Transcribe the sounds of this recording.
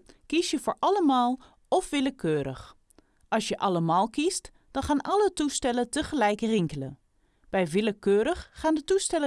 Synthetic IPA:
kisjəfoːɹʔaləmaːlˠ | ɔfʋɪləkʰøːɾə̰x | ʔɑsjəʔaləmaːlˠkist | d̥ɔnxaːnʔalətustɛlətəxəlɛjkərɪŋkələ | b̥ɛjʋiləkʰøːɾəxːaːndətustɛlə

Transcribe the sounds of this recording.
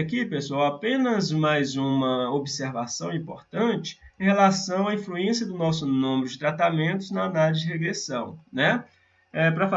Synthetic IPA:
kipesuawapẽnɐzmajzũmɐobseɾvasɐ̃w̃ĩpoɾt̪ɐ̃nt͡ʃɪ̥ẽj̃ɦelasɐ̃w̃aĩfluẽsiɐd̪ʊnɔsʊnũmɪɾʊd͡ʒɪt̪ɾat̪amẽnt̪ʊznɐanalɪzd͡ʒɪheɡɾesɐ̃w̃nɛ | ɛpɾɐfa

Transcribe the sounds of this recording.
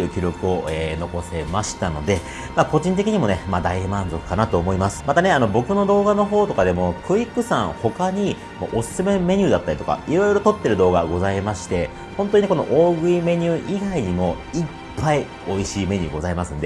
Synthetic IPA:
ɯ̟ːkʲoɾo̞kɯ̟o̞eːno̞ko̞se̞maɕi̥t̪ano̞̰d̪e̞ | maːko̞ʑĩnt̪̬e̞kʲiɲ̟imo̞nemad̪aimãnzo̞kɯ̟̥kanat̪o̞ːmo̞imasɨ̥mat̪aneano̞bo̞kɯ̟no̞d̪o̞ːɡano̞ɦo̞ːt̪o̞kad̪e̞mo̞kʰɯ̟ikːɯ̟sã̰ŋ̃ho̞kaɲ̟i | mo̰ʔosɨ̥sɨme̞me̞ɲ̟ʲɨːd̪at̪ːaɾʲit̪o̞ka̰iɾo̞iɾo̞t̪o̞t̪ːe̞ɾɯ̟d̪o̞ːɡaɡo̞zaimaɕi̥t̪e̞ | hõ̞nt̪oɲineko̞no̰ʔoːɡɯ̟ime̞ɲ̟ʲɨːʔiɡaiɲ̟imo̞ | i | pːai | o̞iɕiːme̞ɲ̟ʲɨ̰ːɡo̞zaimasɨ̃nd̪e̞

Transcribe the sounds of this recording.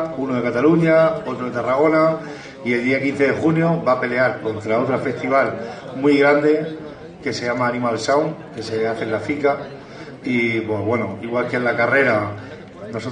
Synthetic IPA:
unoðe̞kat̪aluɲao̞t̪ɾoðe̞t̪araɣ̞o̞na | ie̞lðiakin̟θe̞ðe̞xunjo̞bape̞le̞aɾko̞nt̪ɾaot̪ɾafe̞st̪iβ̞almwiɣɾand̪e̞ | ke̞se̞ʝamaːnĩmalsawŋke̞se̞aθelafika | ipwe̞we̞noiɣwalkelakare̞ɾa | no̞sot̪

